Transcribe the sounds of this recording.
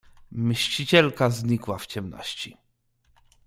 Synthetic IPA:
mɘɕt͡ɕit͡ɕɛlkazɲikwaft͡ɕɛmnɔ̰ɕt͡ɕi

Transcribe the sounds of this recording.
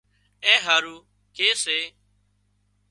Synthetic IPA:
ẽːɦaːɾuː | keːseː

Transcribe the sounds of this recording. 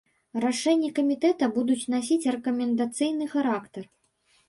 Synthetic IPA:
raʂɛnʲːɐkɐmʲit̪ɛt̪ɐbud̪ut͡sʲnasʲit͡sʲrɛkɐmʲɛnd̪at̪sɨjnɨxaɾakt̪ɐr

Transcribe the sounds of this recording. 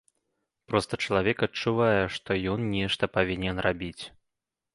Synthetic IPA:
pɾɔst̪ɐt͡ʂɐlˠavʲɛkɐt͡ʂuvajɛʂt̪ɔjɔnnʲɛʂt̪ɐpavʲinʲɛnrʔabʲit͡sʲ

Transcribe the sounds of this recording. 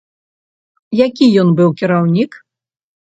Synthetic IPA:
jakʲijɔnbɨwkʲiɾawnʲik

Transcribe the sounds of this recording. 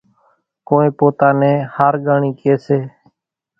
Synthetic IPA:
koːẽːpoːt̪aːnẽːhaːɾɡaːɳĩːkɪeːseː

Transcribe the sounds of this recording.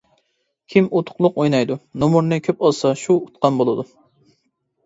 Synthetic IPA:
kʲʰimot̪ʰʊ̥qlˠʊqojnɑjd̪unomuɾnɨkʲʰøpɑlˠsɑʃuut̪qɑnbolˠɨd̪u

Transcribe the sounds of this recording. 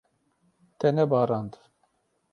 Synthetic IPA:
t̪ʰɛnɛbɑːɾɑnd̪ɨ̥

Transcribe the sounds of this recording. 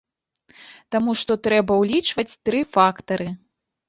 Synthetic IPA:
t̪amuʂt̪ɔt̪ɾɛbɐwlʲit͡ʂvɐt͡sʲt̪ɾɨfakt̪ɐɾɨ

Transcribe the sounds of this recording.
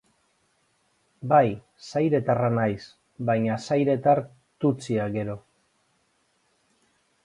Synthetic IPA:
baj | sajɾe̞t̪aranajs | bajɲasajɾe̞t̪aɾ | t̪ut͡siaɣe̞ɾo̞

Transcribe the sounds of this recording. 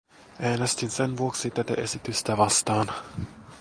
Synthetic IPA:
ʔæːnest̪insenʋuoksit̪ːæt̪æ̰ʔesit̪yst̪æʋɑst̪ɑːn

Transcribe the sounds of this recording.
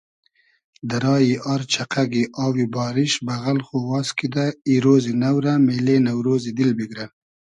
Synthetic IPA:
d̪əɾɑːjiʔɑɾt͡ʃaqaɡiʔɑːwibɑːɾɪʃbaɣalxowɑːskid̪aiɾoːzinawɾamelenawɾoːzid̪ɪlbiɡɾa

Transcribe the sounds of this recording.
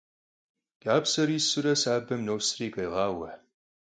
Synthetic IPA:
j̥aːpsɐɾiːsɨɾɐsaːbɐmnoːsriːkʼɐjʁɑːwɐħ

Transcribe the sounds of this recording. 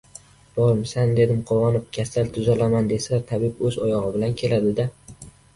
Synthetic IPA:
b̥ɒɾmsand̪e̞d̪ɪmqʰowɒnɪp̚kʲʰasalt̪ʰʊzalamand̪e̞sat̪ʰabɪpɵzɒjɒʁɨbɪlankʲʰe̞lad̪ɪd̪a

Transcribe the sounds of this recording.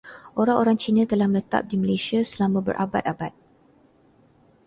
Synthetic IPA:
ʔoɾaŋoɾaŋt͡ʃinə̃t̪əlahmələt̪a̰p̚diməlesiasəlamãbə̰rʔa̰ba̰t̪̚abat̪̚

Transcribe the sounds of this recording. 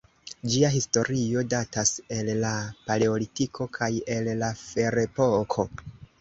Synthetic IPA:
d͡ʒiaɦisto̞ɾio̞datase̞lːapale̞o̞litikʰo̞kʰaje̞lːafe̞ɾe̞po̞kʰo̞

